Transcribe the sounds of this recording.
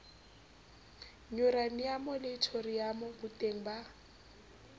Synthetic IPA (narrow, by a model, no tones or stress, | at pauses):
ɲʊɾanjamɔlɪːtʰorijamɔbʊtʼeŋ̩ba